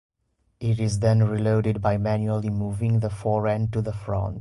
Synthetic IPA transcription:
ʔɪɾɪzd̪ə̃nɹiloʊɾɪɖ̚baɪmæ̃njuəlimuːvɪ̃ŋðəfɔːɹɛ̃nɖ̚ʈuðəfɹɔ̰̃nt

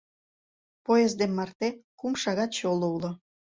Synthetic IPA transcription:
pojezd̪emmɑrt̪ekumʃɑɣɑt̪t͡ɕoloulo

